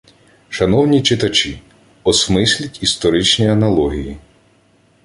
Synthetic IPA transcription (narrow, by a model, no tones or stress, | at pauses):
ʃɐnɔwnʲit͡ʃɪt̪ɐt͡ʃʲi | ɔsmɪsʲlʲɐtʲist̪ɔɾɪt͡ʃnʲiɐnɐlˠɔɦʲiji